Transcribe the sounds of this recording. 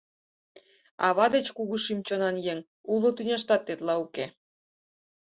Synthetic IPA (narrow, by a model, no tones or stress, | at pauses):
ɑ̰βɑd̪et͡ɕkuɣuʃimt͡ɕonɑnjeŋ | ulˠot̪ynʲeʃ̬t̪ɑt̪ːet̪lɑuke